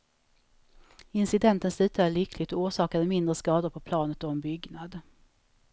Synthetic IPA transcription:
ɪnsɪd̪ɛnt̪ənslʉ̟ːt̪ʰad̪əɭʏkʰlɪɡt̪ɔuːʂɑːkad̪əmɪnd̪ɾəskɑːd̪ʊɾpʰɔpʰlɑːnət̪ɔɛnbʏɡnad̪

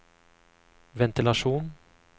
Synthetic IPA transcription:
vɛnt̪ɪlaʂuːn

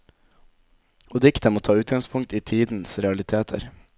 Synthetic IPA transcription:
od̪ɪkt̪əmoːt̪ʰɑːʉːt̪ɡɑŋspʰʊŋ̚t̪iːt̪ʰiːd̪n̩sɾɛɑlɪt̪ʰeːt̪ʰə̰ɾ

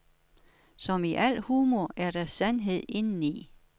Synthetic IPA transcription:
sɒ̽miʔæl̰huːmɒæɐɾ̥æsænɦe̝ð̞̰ˠe̝nn̩i

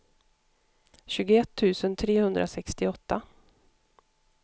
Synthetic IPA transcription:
ɕʉːɡʊɛt̪ʰːʉ̟ːsənt̪ʰɾeːhɵnd̪ɾʔa̰sɛkst̪ɪɔt̪ːa

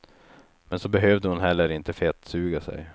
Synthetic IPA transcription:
mɛnsɔbɛɦøːvd̪əhʊnɦɛlːəɾɪnt̪əfɛt̪ːsʉ̟ːɡasɛ̰j

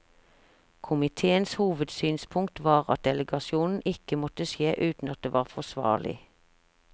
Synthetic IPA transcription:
kʰʊmɪt̪ʰeːənshuːʋəd̪syːnspʰʊŋk̚t̪ʋɑːʁɑ̰t̪̚d̪ɛləɡɑʃɪuːnn̩ʔɪkəmɔt̪əʃjeːʔʉːt̪n̩ɑt̪̚d̪eːʋɑːʁfɔsʋɑ̰ːlʔɪ̰

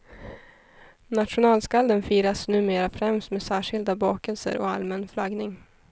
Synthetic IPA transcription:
nat̪ɧʊnɑːlskald̪ənfiːɾasnʉ̟ːmeːɾafɾɛmst̪meːsæːʂɪld̪abɑːkɛlsə̰ɾʔɔ̰a̰lmɛnflaɡnɪŋ

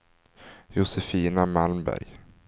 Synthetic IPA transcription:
jʊsɛfiːnamalmbæ̰ɾj

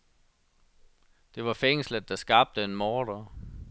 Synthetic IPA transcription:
d̥e̝ʋɑ̈feŋ̰sləd̥ɑ̈sɡ̥ɑ̈b̥̚d̥əenmɒːd̥ɐ

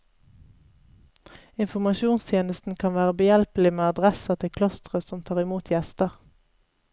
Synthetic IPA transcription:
ɪnfɔmɑʃuːnst̪ʰjeːnəst̪n̩kʰɑnʋæːʁəbəjɛlpəl̩ɪmeːɑd̪ʁɛsɑt̪ʰɪkʰlɔst̪ʁəsɔmt̪ʰɑːʁɪmuːt̪ʰjɛst̪əʁ

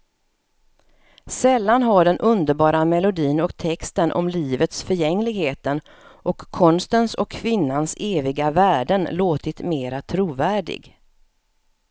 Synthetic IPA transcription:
sɛlːanɦaɖɛnʔɵnd̪əɾbɑːɾamɛlʊd̪iːnɔkt̪ʰɛkst̪ənʔɔ̰mliːvət̪sfœɾjɛŋːlɪɡheːt̪ən | ʔɔkʰːɔnst̪ənsɔkʰːvɪnːanseːvɪɡavæːɖənloːt̪ɪt̪meːɾat̪ʰɾuːvæːɖɪ̰ɡ

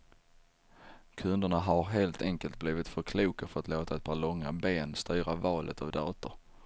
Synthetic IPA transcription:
kʰɵnd̪əɳaɦaɾɦeːlt̪ʰɛŋkəlt̪̚bliːvɪt̪fœɾkʰluːkafœɾɔat̪loːt̪aɛt̪̚pʰɑːɭɔŋːabeːnst̪yːɾavɑːlʔə̰t̪ʰavd̪ɑːt̪əɾ

